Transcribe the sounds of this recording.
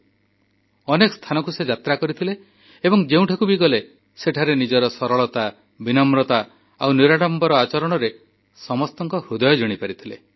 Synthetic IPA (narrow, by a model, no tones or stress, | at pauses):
ɔnekɔ̥st̪ʰanɔkused͡ʒat̪ɾakɔɾit̪ʰileː | bɔŋd͡ʒeũʈʰakubiɡɔle | seʈʰaɾenid͡ʒɔɾɔsɔɾɔɭɔt̪a | binɔmɾɔt̪a | awniɾaɽɔmbɔɾɔat͡ʃɔɾɔɽ̃ɔɾe | sɔmɔst̪ɔŋkɔhɾud̪ɔjɔd͡ʒɔɽ̃ipaɾit̪ʰile